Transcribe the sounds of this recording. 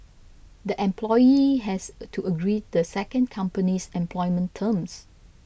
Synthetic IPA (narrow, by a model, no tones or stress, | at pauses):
d̪əʔɛ̃mpʰlɔjiɦɛstʰuəɡɹidəsɛkə̃nkʰãmpənisɛ̃mpʰlɔɪmə̃ntʰəms